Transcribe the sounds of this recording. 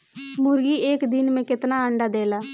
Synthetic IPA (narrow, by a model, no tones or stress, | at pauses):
mʊɾɡiːeːkd̪ɪnmẽːkɪt̪naːəɳɖaːd̪eːlaː